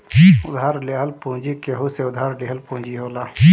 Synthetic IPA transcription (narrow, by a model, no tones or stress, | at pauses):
ʊd̪ʱaːɾleɦəlpõːd͡ʒikeɦuseʊd̪ʱaːɾleɦəlpõːd͡ʒiɦoːlaː